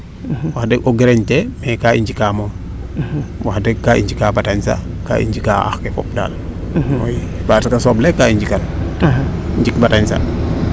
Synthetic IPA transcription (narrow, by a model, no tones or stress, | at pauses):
waxdɛɡʔoɡɾɛɲtɛmɛkaiɲd͡ʒikamɔm | waxdɛkːaʔḭɲd͡ʒikabataɲsa̰ | ka̰ʔḭɲd͡ʒika̰a̰xkɛfɔ̰p̚da̰ːl | o̰jbatkasɔblɛkːaiɲd͡ʒikan | iɲd͡ʒikbataɲsa̰